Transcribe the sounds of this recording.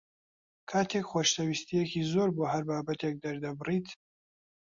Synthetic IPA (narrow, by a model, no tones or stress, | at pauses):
kʰaːt̪ʰekxwoʃt̪ɐwist̪ijɛkiːzoːɾboːɦɐɾbaːbɐt̪ʰek̚d̪ɐɾd̪ɐbɨriːt̪